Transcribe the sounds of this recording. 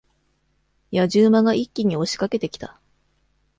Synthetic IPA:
jaʑɨːmaɡaʔikʲːiɲ̟io̞ɕi̥kake̞t̪e̞kʲi̥t̪a

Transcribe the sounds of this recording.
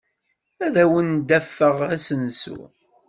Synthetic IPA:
æðæwənd̪æfːəʁæsənsṵ

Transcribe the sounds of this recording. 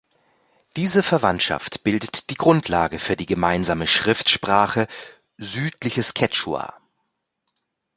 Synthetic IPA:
d̥iːzəfɛɐvantʃa̰ftb̥ɪldətd̥iːɡʁʊntʰlaːɡəfyːɐdiːɡəmaɪnzaːməʃʁ̥ɪftʃpʁ̥aːχə | zyːtlɪçəskʰɛt͡ʃua̰

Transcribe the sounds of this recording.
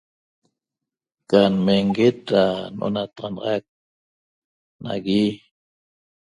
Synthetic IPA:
kanmeŋɡet̪̚ɾanʔo̰nat̪ɑʁɑnɑʁɑjk̚ | na̰ɣi

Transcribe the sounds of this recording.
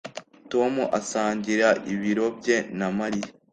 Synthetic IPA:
to̞muʔasaːɲɟiɾaʔiβiɾo̞bɟe̞namaɾiɾe

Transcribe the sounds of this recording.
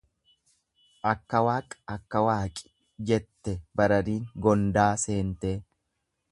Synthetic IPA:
ʔɐkːɐwaːkʼɐkːɐwaːkʼɪ̥ | d͡ʒɛt̪ːɛbɐɾɐɾiːŋɡɔnd̪aːse̞ːnt̪eː

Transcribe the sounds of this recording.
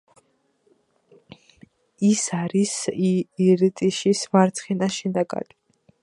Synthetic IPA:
isaɾisiɾit̪ʼiʃismaɾt̪sʰχɛnaʃɛnaɡa̰d̪i

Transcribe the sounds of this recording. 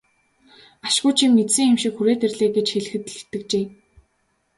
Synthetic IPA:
aʃɡʊːjt͡ɕʰimːet͡s̪sɘ̆ŋɪmʃĭkxuɾeːt̪erɮeːɡet͡ɕxeɮ̆xɘ̆t̪ɮɘ̆t̪ːɘ̆k̚t͡ɕeː

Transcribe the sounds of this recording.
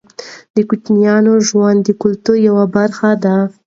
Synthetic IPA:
d̪əkut͡ʃnijɑnoʒwand̪ːəkʊlt̪uɾjawabaɾxad̪a

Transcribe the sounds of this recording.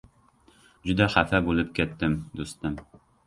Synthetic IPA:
d͡ʒʊd̪æχæfæbulɪp̚kʲæt̪ːɪmd̪ost̪ɪm

